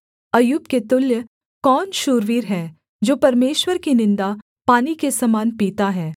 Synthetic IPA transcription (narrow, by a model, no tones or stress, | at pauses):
ɐjuːbket̪ʊljə | kɔːnʃuːɾʋiːɾɦɛː | d͡ʒoːpɐɾmeːʃwəɾkinɪ̃nd̪a | paːnikesɐmaːnpiːt̪aɦɛː